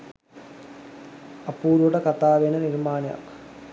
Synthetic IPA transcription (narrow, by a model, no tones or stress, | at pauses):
ɐpːuːɾuɽɐkɐt̪ːaːʋeːnɐniɾmaːnjɐ̰